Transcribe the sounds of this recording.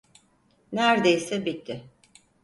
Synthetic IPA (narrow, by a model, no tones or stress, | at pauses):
næɾd̪ejsɛbit̪ʰːɪ